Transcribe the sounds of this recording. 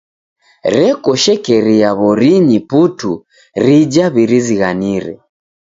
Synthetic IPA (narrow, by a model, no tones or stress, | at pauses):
ɾɛkɔʃɛkɛɾiaβɔɾiɲiputu | ɾid͡ʒaβiɾiziɣaniɾɛ̰